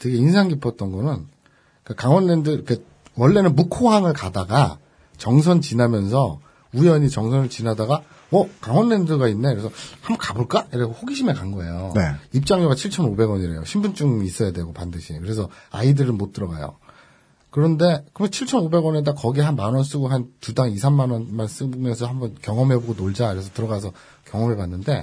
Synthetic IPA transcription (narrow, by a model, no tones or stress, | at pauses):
teɡe̞insʰaŋɡipʰʌt̚t͈ʌnɡʌnɯn | k͈akaŋwʌnːe̞ndɯkʰe | wʌɭːe̞nɯnmukʰoɦaŋɯɭkadaɡa | t͡ɕʌŋs̬ʰʌnt͡ɕinamjʌnsʰʌ | ujʌɲit͡ɕʌŋsʰʌnɯɭt͡ɕinadaɡa | ʌkaŋwʌnːe̞ndɯɡainːe̞kɯɾesʰʌhambʌnkabuɭk͈aiɾeɡohoɡiɕʰime̞kaŋɡʌe̞̰joneip̚t͡ɕ͈aŋoɡat͡ɕʰiɭt͡ɕʰʌnobe̞ɡʌɲiɾe̞̰jo̰ɕʰimbunt͡ɕ͈uŋiːs͈ʌjadwe̞ɡopandɯɕʰikɯɾe̞sʰʌa̰idɯɾɯnmot͈ɯɾʌɡajo̰ | kɯɾʌnde̞kkɯt͡ɕʰiɭt͡ɕʰʌnobe̞ɡwʌnedakʌɡihanmanwʌns͈uɡuɦantudaŋisʰamːanwʌnmans͈ɯbmjʌnsʰʌɦambʌnkjʌŋʌmɦeboɡonoɭd͡ʑakɯɾe̞sʰʌtɯɾʌɡasʰʌ | kjʌŋʌmɦepanːɯnde̞